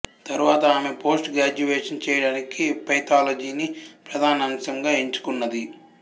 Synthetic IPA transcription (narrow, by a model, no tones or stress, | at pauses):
t̪ɐɾuʋaːt̪ɐaːme̞po̞ːsʈɡɾaːd͡ʒuʋeːʂɐnt͡ʃɛːjɐɽaːnikipɐjt̪aːlod͡ʒiːnipɾɐd̪ʱaːnɐmsɐŋɡaːeɲt͡ʃu̥kunːɐd̪i